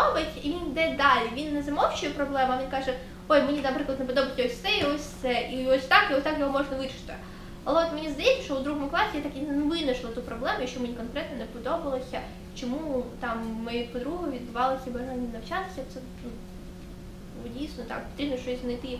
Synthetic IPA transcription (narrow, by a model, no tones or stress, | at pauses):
obɐtʲiʋʲind̪ɛd̪ɑlʲiʋʲinːɛzɐmɔwt͡ʃʊjɛpɾɔblˠɛmʊɐʋʲinkɑʒɛ | ɔjmenʲinɐpɾɪklˠɐd̪npɔd̪ɔbɐtʲɔsʲsɛiɔsʲsɛʔiɔsʲt̪ɑkjɔsʲt̪ɑkjɔɦɔmɔʐnɐʋɪɾɪ̥t̪ɪ | ɐlˠɛɔt̪menʲizd̪ɐjit͡sʲːɐ̥ʃt͡ʃɔʊd̪ɾuɦɔmʊklˠɑsʲɪjat̪ɐkinnʊʋɪnɐʃlˠɐt̪upɾɔblˠɛmʊjɐkt͡ʃɔmenʲikɔnkɾɛt̪nɔnepɔd̪ɔbɐlˠɔsʲɐ | t͡ʃɔmut̪ɑmːpɔd̪ɾuɦʊʋʲid̪bʊʋɑlˠɐsʲɐiʋɐɦɛnʲinɐwt͡ʃat̪ɪ̥sʲɐt̪sɛ | nu | dʲijsnɔt̪ɑ̰kpɔt̪ɾʲibnɔʃt͡ʃɔizʲnɐjt̪ɪ